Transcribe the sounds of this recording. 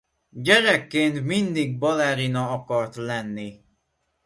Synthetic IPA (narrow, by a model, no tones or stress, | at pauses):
ɟɛɾɛkːeːnt̪mind̪iɡ̚bɒlɛɾinɒɒkɒrt̪lɛnːi